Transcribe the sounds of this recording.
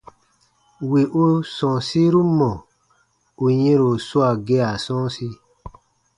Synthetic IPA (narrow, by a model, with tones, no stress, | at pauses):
we˨ʔo˦sɔ̃˨si˦ɾu˦mɔ̃˨ | u˨jĩ˦ɾo˨su˦a˨ɡe˦a˨sɔ̃˦si˦